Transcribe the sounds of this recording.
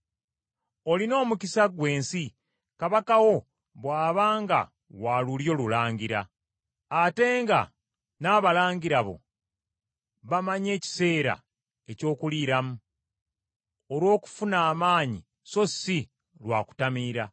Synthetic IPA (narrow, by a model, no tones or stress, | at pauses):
o̞lino̞ːmucisaɡwe̞ːnsi | kaβakawo̞ | βwaːβaːŋɡa̰ | waluljo̞lulaːɲɟiɾa̰ː | te̞ːŋɡa̰ | naːβalaːɲɟiɾaβo̞̰ | βamaɲe̞ːci̥se̞ːɾa̰ | e̞co̞ːkuliːɾamu | olwo̞ːku̥funaːmaːɲi | so̞si | lwa̰ːku̥tamiːɾa